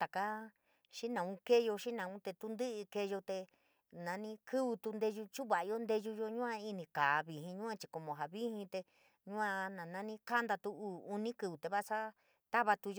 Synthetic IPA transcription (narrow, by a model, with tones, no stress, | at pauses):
t̪a˨ka˦ | ʃi˦nã˨ũ˦ke˦jo˧ʃi˦nã˨˧ũ˦t̪e˧t̪u˧nd̪ɨ˦ʔɨ˧ke˧jo˧t̪e˧ | nã˧nĩ˦kʰɨ˦βu˧t̪u˧nd̪e˧ʒu˧t͡ʃu˦βa˨˧jo˦nd̪e˧ʒu˧jo˧ɲũ˦ã˧i˦nĩ˧kaː˨βi˨ɦĩ˧ɲũ˦ã˧t͡ʃi̥˧ko˧mõ˨˧ɦa˨βi˦hĩ˧t̪e˧ | ɲũ˦ã˧nã˨nã˧nĩ˦ka˦nd̪a˧t̪u˧uː˦u˧nĩ˦kɨ˧βu˨t̪e˧βa˦˧sa˦ | t̪a˦βa˧t̪u˧jo˦